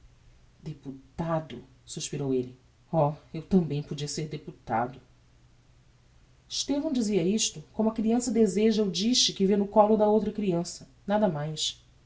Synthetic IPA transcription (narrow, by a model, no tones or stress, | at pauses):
d̪eput̪ad̪ʊ̰suʃpiɾowelɪ | ɔewt̪ɐ̃mbẽj̃pod͡ʒiɐseɾd̪eput̪a̰d̪ʊ | iʃt̪evɐ̃w̃d͡ʒiziɐiʃt̪ʊkõmʊɐkɾiɐ̃sɐd̪ezeʒɐud͡ʒiʃt͡ʃɪkɪvẽnʊkɔlʊd̪ɐowt̪ɾɐkɾiɐ̃sɐ | nad̪ɐmajs